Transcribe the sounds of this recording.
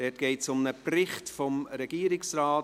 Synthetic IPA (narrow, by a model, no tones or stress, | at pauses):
d̥ɛtɡ̥ɛɪtsʊmnəprɪχtfɔmɾɛɡ̥iːɾɪksraːt